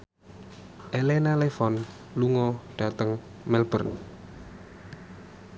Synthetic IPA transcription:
ʔelenalefɔn | luŋɔɖ̥a̤t̪əŋ | mɛlbərn

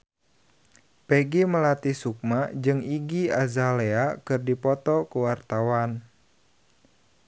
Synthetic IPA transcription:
peɡiməlat̪isuk̚mad͡ʒɨŋiɡiazaleakɨrdipɔt̪ɔkuwart̪awan

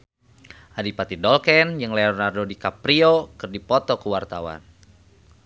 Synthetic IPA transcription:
ʔadipat̪idɔlkɛnjɨŋleɔnardodikapɾiokɨrdipɔt̪ɔkəwart̪awa̰n

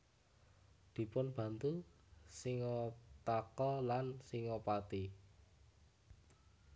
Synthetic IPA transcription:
d̪̥i̤pʊnb̥ä̤nt̪u | siŋɔt̪akɔlansiŋɔpat̪i

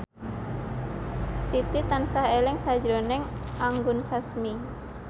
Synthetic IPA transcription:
sit̪it̪ansaɦelɛŋsad͡ʒɾonɛŋaŋɡʊnsasmi

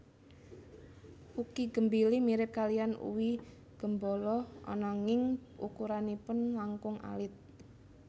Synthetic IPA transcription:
ukiɡ̥ə̤mbilimiɾɪp̚kalijanṵwi | ɡ̥ə̤mbɔlɔɔ̰nɔŋɪŋʔṵkuɾanipʊnlaŋkʊŋa̰lɪt̪̚

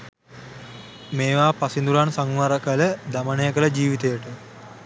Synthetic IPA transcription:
meːʋaːpasind̪uɾansaŋʋaɾəkələd̪amənejəkələd͡ʒiːʋit̪ejəʈə

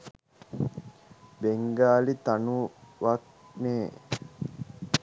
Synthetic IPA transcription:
beŋɡaːlit̪anuʋak̚ | neː

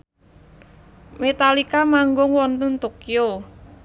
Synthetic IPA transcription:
met̪alikamaŋɡʊŋwɔnt̪ənt̪okio

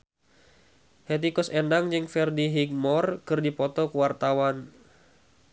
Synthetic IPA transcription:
het̪̬ikɔsɛndaŋd͡ʒɨŋfɛrdiɦik̚mɔrkɨrdipɔt̪ɔkəwart̪awan

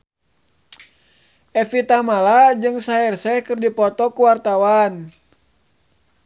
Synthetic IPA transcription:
ʔɛfit̪amalad͡ʒɨŋsaɛrsɛhkɨrdipɔt̪ɔkuwart̪awan

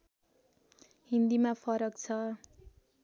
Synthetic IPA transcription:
hind̪imapʰʌɾʌkt͡sʰʌ

